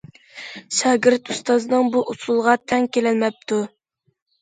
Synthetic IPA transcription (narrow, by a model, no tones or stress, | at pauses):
ʃɑːɡʲiɾt̪ust̪ɑznɨŋbuʔusulˠʁɑt̪ʰɛŋkʲelɛlmɛp̚t̪ʰu